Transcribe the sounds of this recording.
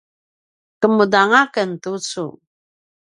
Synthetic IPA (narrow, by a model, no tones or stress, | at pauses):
kəmudaŋakəntut͡su